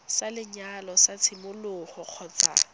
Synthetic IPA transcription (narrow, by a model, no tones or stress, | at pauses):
salɪɲalɔsat͡sʰɪmʊlʊχɔq͡χʰɔt͡sa̰